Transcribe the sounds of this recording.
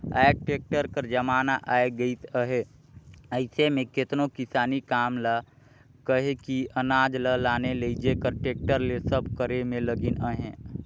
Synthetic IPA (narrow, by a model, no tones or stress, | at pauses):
ɛːk̚ʈeːk̚ʈəɾkəɾd͡ʒəmaːnaʔaːeɡəit̪əɦe | əɪsemẽkɪt̪nokɪsaːnikaːmla | kəɦekiənaːd͡ʒləlaːneleid͡ʒekəɾʈeːk̚ʈəɾlesəbkəɾemẽləɡinəɦẽː